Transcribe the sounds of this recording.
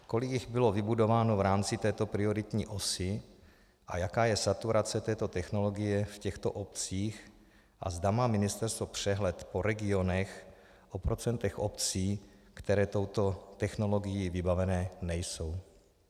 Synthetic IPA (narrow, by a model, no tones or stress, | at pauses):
ko̞lɪkjɪɣbɪlo̞vɪbudo̞vaːnovɾaːmt͡sɪt̪ɛːt̪o̞pɾɪo̞ɾɪt̪ɲiːʔo̞sɪ | ʔa̰jakaːjɛsat̪uɾat͡sɛt̪ɛːt̪o̞t̪ɛxno̞lo̞ɡɪjɛfcɛxt̪o̰ʔop̚t͡siːx | ʔa̰zd̪amaːmɪnɪst̪ɛɾst̪vopr̥ɛɦlɛt̪po̞ɾɛɡɪo̞nɛx | ʔopɾo̞t͡sɛnt̪ɛxʔopt͡siːkt̪ɛɾɛːt̪o̞wt̪o̞t̪ɛxno̞lo̞ɡɪjivɪbavɛnɛːnɛjso̞w